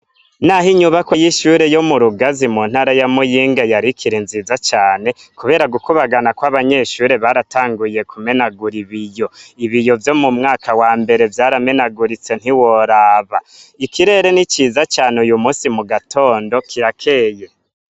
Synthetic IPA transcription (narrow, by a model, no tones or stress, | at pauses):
naɦiɲuβakwejiʃuːɾe̞jo̞muɾuɡazimun̥haːɾajamujiːŋɡajaɾikʰiɾinzizat͡ʃaːne̞kuβe̞ːɾaɡukuβaɡanakwaβaɲe̞ːʃuːɾe̞βaɾataːŋɡuje̞kume̞naɡuɾiβijo̞iβijo̞vjo̞mumŋaːkʰawaːmbe̞ɾe̞vjaːɾame̞naɡuɾit͡se̞n̥hiwo̞ɾaːβa | ikiɾe̞ːɾe̞nit͡ʃiːzat͡ʃaːneujumuːsimuɡatʰo̞ːndo̞kʰiɾakʰe̞ːje̞